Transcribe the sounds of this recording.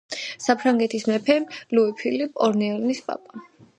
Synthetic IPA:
sapʰɾaŋɡɛt̪ʰismɛpʰɛluipʰilipʼɔɾniɛlnispʼa̰pʼa

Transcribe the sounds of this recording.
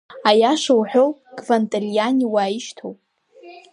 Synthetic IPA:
ajaʂowħʷᶣowɡʼvantʼalijanʲiwaːjiʃtʰowpʼ

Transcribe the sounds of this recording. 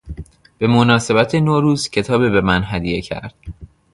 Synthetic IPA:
b̥e̞monɒːse̞bæt̪ʰenoɾuːzcʰe̞t̪ʰɒːbibemænɦæd̪ijecʰæ̰ɾd̪̥

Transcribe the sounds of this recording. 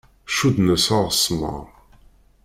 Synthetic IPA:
ʃud̪nəsaʁəsːmə̰ʁ

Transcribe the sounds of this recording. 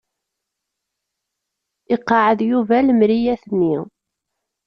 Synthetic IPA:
ɪqːɑʕəðjuvælmɾijæθənːi

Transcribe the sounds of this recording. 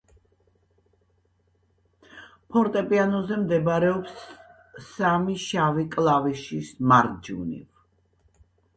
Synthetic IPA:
pʰɔɾt̪ʼɛpʼianɔzɛmd̪ɛbɾɛɔpsː | amiʃavikʼlˠaviʃismaɾd͡ʒṵnḭv

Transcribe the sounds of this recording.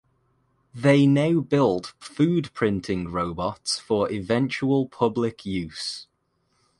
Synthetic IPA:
ðeɪnaʊbɪlˠd̥fʉːdpʰɹ̥ɪ̃ntʰɪ̃ŋɹoʊbɒtsfəɹɪvɛ̃nt͡ʃuəlˠpʰʊblɪkʰjʉˑs

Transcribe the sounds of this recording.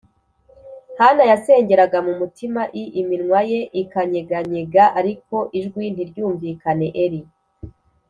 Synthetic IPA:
hanajase̞ːɲɟe̞ɾaɡamumutimaʔiʔiminŋwaje̞ʔikaɲe̞ɡaɲeɡaʔaɾiko̞ʔiʒɡwin̥iɾɟuːɱviːkane̞ʔeɾi

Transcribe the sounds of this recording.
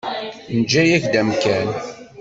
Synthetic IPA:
nd͡ʒːæjæçd̪æmkæn

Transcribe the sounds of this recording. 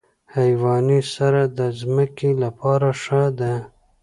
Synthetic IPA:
hajwɑnisaɾad̪əzməkelapɑɾaʂad̪a

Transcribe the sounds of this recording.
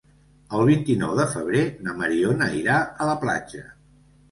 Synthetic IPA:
əlˠβint̪inɔ̰wðəfəβ̞ɾenəməɾionəiɾaələpla̰d͡ʒə̰

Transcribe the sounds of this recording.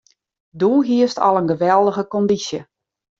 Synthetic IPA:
duːɦiəstʰɔ̰lˠənɡəʋɛlˠdəɣəkɔndisjə

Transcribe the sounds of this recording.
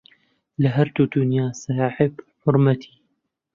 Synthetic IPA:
laɦɐɾd̪uːd̪ʊnjaːsaħɪbħʊɾmɐt̪ʰi̥ː

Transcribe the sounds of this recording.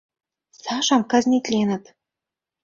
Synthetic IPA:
sɑʃɑmkɑzʲnʲit̪ʲlʲenə̆t̪

